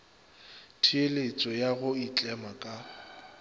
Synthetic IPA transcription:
tʰielet͡sʼɔjaɣʊit͡ɬʼɛmakʼa

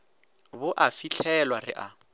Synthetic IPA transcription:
bʊʔafit͡ɬʰɛlwarɪ̰ʔa

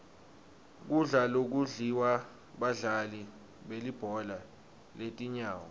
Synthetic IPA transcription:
k̬uɮalok̬uɮiwa | ɓaɮali | ɓelib̥ʱɔla | letʼiɲaːwɔ

